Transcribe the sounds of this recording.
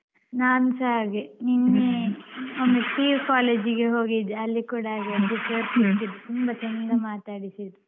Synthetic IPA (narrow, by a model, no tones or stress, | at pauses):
naːnusaːɡeninːe | ond̪ut̪iːɾkaːleːd͡ʒiɡeɦoːɡid̪eɐlːikuːɽɐaːɡiɐt̪ːipoːɾt̪it̪id̪et̪umbɐt͡ʃɛnd̪ɐmaːt̪aːɽisid̪e